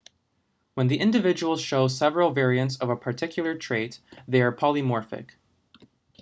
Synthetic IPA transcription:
wə̃nðiʔɪ̃ndɨvɪd͡ʒəwl̩ˠz̥ʃoʊsɛvɹl̩ˠvɛɹiɨ̃ntsʌvəpʰə˞tʰɪkʰjl̩ˠə˞tʰɹ̥eɪt̪ðeɪə˞pʰɑlˠimɔɹfɪ̰k

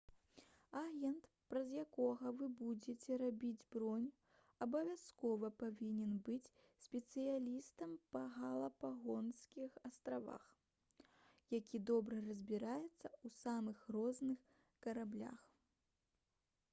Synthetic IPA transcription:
aɣʲɛnt̪ | pɾɐzjakɔɣɐvɨbud͡zʲet͡sʲɛɾabʲid͡zʲbɾɔnʲ | ɐbɐvʲaskɔvɐpavʲinʲɛnbɨt͡sʲ | sʲpʲɛt̪sɨjalʲist̪ɐmpɐɣalˠɐpaɣɔnskʲixɐst̪ɾava̰x | jakʲʰid̪ɔbɾɐrɐzʲbʲiɾajɛt̪sːɐusamɨxrɔznɨx | kɐɾablʲa̰x

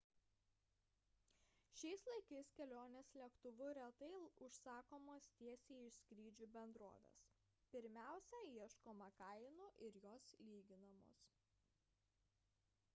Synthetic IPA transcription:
ʃʲɛɪslˠɐɪkɐɪskʲɛlʲoːnʲeːslʲɛkt̪ʊʋʊɾʲɛt̪ɐɪʊʃsɑːkoːmoːst̪ʲiɛsʲeːɪʃsʲkɾʲiːd͡ʒʲuːbʲɛnd̪ɾo̰ːʋʲḛːs | pʲɪɾʲmʲæˑʊsʲɛiɛʃkoːmɐkɐɪnuʔɪɾjoːslʲiːɡʲɪnɐmo̰ːs

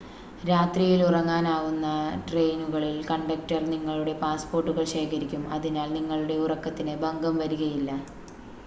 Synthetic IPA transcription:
ɾaːt̪rijilurɐŋːaːnaːɣunːɐʈre̞jnuɣɐɭilkɐɳɖɐk̚tɐrniŋːɐɭuɽe̞paːspo̞ːrʈːuɣɐɭɕe̞ːkʰɐɾikʲːumɐðinaːlniŋːɐɭuɽe̞urɐkːɐt̪ːinɨbɐŋɡɐmʋɐɾuɣɐjilːɐ

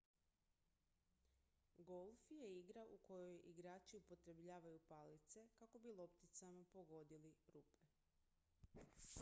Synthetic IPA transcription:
ɡo̞lˠfjeiɡɾaʔuko̞jo̞jʔiɡɾaːt͡ʃiupo̞t̪ɾe̞bʎaːʋajupalit̪se̞kako̞bilˠo̞pt̪it̪samapo̞ɡo̞d̪iliɾuːpe̞

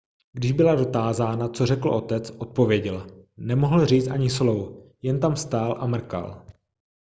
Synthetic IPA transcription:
ɡdɪʒbɪlado̞t̪aːzaːnat͡so̞rɛkl̩ʔo̞t̪ɛt͡sʔo̞t̪̚po̞vjɛɟɛlnɛmo̞ɦl̩riːt͡st̪ʔaɲɪslowjɛnt̪amst̪aːlʔa̰mr̩ka̰l

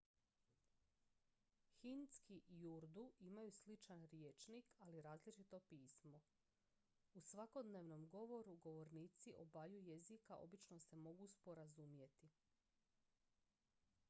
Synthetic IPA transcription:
xinskijuɾd̪uimajuslit͡ʃanɾjeːt͡ʃnikaliɾaːzlit͡ʃit̪o̞piːsmo̞ | usʋako̞d̪neʋno̞mɡo̞ʋo̞ɾuɡo̞ʋo̞ɾniːt̪siʔo̞bajuje̞zikaʔo̞̰bit͡ʃnose̞mo̞ɡuspo̞ɾazumje̞t̪i

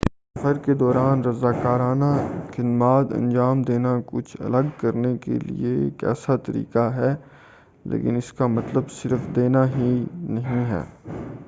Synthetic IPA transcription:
sɐfəɾked̪ɔːɾaːnɾɐzaːkaːɾaːnaxɪd̪maːt̪ɐ̰̃nd͡ʒaːmd̪eːnakʊt͡ʃʰɐ̰ləɡkɐɾnekḛlḭekɛ̰ːsat̪ɐɾḭːkaɦɛː | lḛːkɪ̰nɪskamɐt̪ləbsɪɾfd̪eːnaɦinɐɦĩɦɛ̰ː

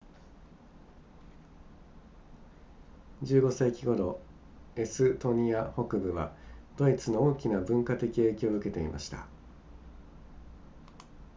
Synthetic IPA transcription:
d͡ʑɨːɡo̞seikʲiɡo̞d̪o̞ | e̞sɨt̪o̞ɲ̟iaho̞kɯ̟bɯ̟βa̰d̪̥o̞it͡sɨno̞oːkʲinabɯ̟̃ŋkat̪e̞kʲie̞ːkʲooɯ̟ke̞t̪e̞ḭma̰ɕi̥t̪a̰

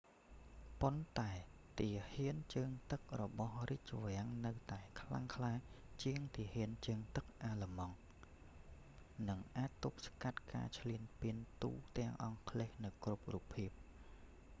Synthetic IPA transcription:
pont̪aɛ | t̪iəhiənt͡ɕəːŋt̪ɨk̚rɔɓɑhriːc̚t͡ɕoʋɛ̆əŋnɨwt̪aɛkʰla̰ŋkʰlaː | t͡ɕiəŋt̪iəhiənt͡ɕəːŋt̪ɨk̚ʔaːləmɑŋ | nɨŋʔaːc̚t̪uk̚skat̪̚ka̰ːt͡ɕʰliənpiənt̪ṵːt̪ɛ̆əŋʔɑŋkʰleːhnɨwkrup̚rupʰːiəp̚

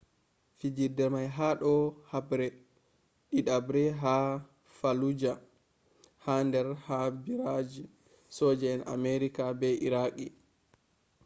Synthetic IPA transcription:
fid͡ʒidɛɾmajɦaɗɔhabɾɛ | ɗiɗabɾɛɦa | falud͡ʒa | handɛɾhabiɾad͡ʒi | sɔːd͡ʒɛːna̰meɾikabɛʔiɾaki

